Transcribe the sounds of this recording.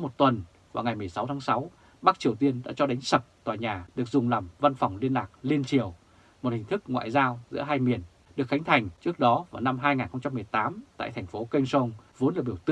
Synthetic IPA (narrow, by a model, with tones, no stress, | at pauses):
mo˨˩t̚t̪wə˨˩n | vaː˨˩wŋa˨˩jmɨ˨˩əjsa˨˦wt̪ʰaː˨˦ŋsa˨˦w | ɓa˦˥k̚t͡ɕi˨˩əwt̪i˧ənɗa̰ː˧˥t͡ɕɔ˧ɗa˨˦ŋ̟sə˨˩p̚t̪waː˨˩jɲaː˨˩ɗɨ˨˩ək̚zʊ˨˩ŋ͡mla˨˩mva˧nfɔ˨˩wŋ͡mli˧ənlaː˨˩k̚li˧ənt͡ɕi˨˩əw | mo˨˩t̚hï˨˩ŋ̟t̪ʰɨ˦˥k̚ŋwa̰ː˧˨jzaː˧wzɨ̰˧˥əɦaː˧jmi˨˩ən | ɗɨ˨˩ək̚xa˨˦jŋ̟t̪ʰa˨˩jŋ̟t͡ɕɨ˦˥ək̚ɗɔ˨˦vaː˨˩wna˧mɦaː˧jŋaː˨˩nxə˧wŋ͡mt͡ɕa˧mːɨ˨˩əjt̪aː˨˦mt̪a̰ː˧˨jt̪ʰɛ˨˩ŋ̟fo˨˦kə˧nso˧ŋ͡mvo˨˦ənlaː˨˩ɓi˧˩əwt̪ɨ˧